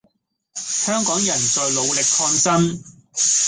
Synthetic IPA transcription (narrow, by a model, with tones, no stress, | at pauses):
hœː˥ŋkɔː˨˥ŋjɐ˨˩nt͡sɔː˨˧jlo˨˧wlɪ˨kʰɔː˧nsɐ˥m